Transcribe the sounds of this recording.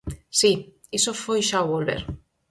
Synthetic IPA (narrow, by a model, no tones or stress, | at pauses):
si | isofojʃawβolβḛɾ